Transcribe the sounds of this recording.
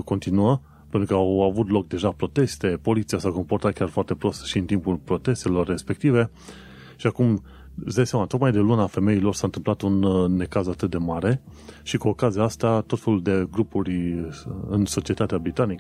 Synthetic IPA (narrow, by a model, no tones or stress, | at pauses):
ko̞nt̪inuə | pent̪ɾukəawavut̪lo̞k̚d̪e̞ʒapɾo̞t̪e̞st̪e̞po̞lit̪sijasako̞mpo̞rt̪at̪̚kʲarfoart̪e̞pɾo̞st̪ʃiɨnt̪impulpɾo̞t̪e̞st̪e̞lo̞rːe̞spe̞k̚t̪ive̞ | ʃiakum | sd̪ajsamat̪o̞kmajd̪e̞lunafe̞me̞ilo̞rsant̪ɨmplat̪unːe̞kazat̪ɨt̪̚d̪e̞maɾe̞ʃikuo̞kaziaast̪at̪o̞t̪fe̞luld̪e̞ɡɾupuɾʲ | ɨnso̞t͡ʃiet̪at̪eabɾit̪anikə